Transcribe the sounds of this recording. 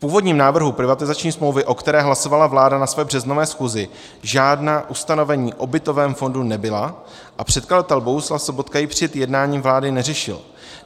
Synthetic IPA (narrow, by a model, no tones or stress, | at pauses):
fpuːvo̞dɲiːmnaːvr̩ɦupɾɪvat̪ɪzat͡ʃɲiːsmlowvɪʔo̞kt̪ɛɾɛːɦlaso̞valavlaːdanasvɛːbr̝ɛzno̞vɛːsxuːzɪ | ʒaːdnaːʔust̪ano̞vɛɲiːʔo̞bɪt̪o̞vɛːmfo̞ndunɛbɪla | ʔapr̝̥ɛt̪̚kazat̪ɛlbo̞ɦuslafso̞bo̞t̪kajɪpr̝̥ɪɛɛt̪jɛdnaːɲiːmvlaːdɪnɛrɛʃɪ̰l